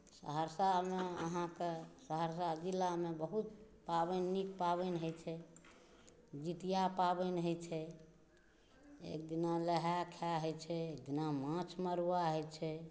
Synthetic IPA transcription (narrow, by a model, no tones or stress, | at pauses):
sə̰ɦəɾsameəɦãkesəɦəɾsad͡ʒilːamebəɦut̪̚ | pabənːikpaβɛnɦojt͡ʃʰɛ | d͡ʒit̪ijapabənɦət͡ʃʰɛ | ḛk̚d̪inaləɦakʰaɦojt͡ʃʰɛek̚d̪inamãt͡ʃʰməɾuwaɦɔjt͡ʃʰɛ